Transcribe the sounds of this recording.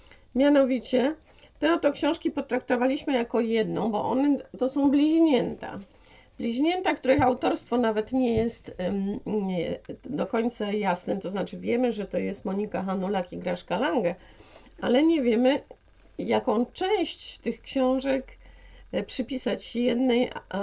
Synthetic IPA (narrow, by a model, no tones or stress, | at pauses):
mʲjanɔvʲit͡ɕɛ | t̪ɛɔt̪ɔkɕɔ̃w̃ʂkʲipɔt̪ɾak̚t̪ɔvalʲiɕmɘjakɔjɛd̪nɔ̃w̃bɔ̰ʔɔ̰nɛt̪ɔsɔ̃w̃blʲiʑɲɛnt̪a̰ | b̥lʲiʑɲɛnt̪ak̚t̪uɾɘxawt̪ɔɾst̪fɔnavɛt̪ɲɛjɛst̪ | d̪ɔkɔɲʲt̪sajasnɛt̪ɔznat͡ʂɘvʲjɛmɘʐɛt̪ɔjɛst̪mɔɲikaxanulakʲiɡɾaʂkalaŋɡɛ | alɛɲɛvʲjɛmɘ | jakɔ̃w̃t͡ʂɛ̃w̃ɕt͡ɕt̪ɘxkɕɔ̃w̃ʐɛk | pʂɘpʲisat͡ɕjɛd̪nɛj